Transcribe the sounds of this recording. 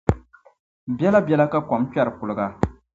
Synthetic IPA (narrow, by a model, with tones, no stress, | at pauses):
bjɛ˦la˦bjɛ˦la˦ka˦kɔ˨˦mkɛ˦ɾɨ˨kʊ˨lɨ˨ɡa˨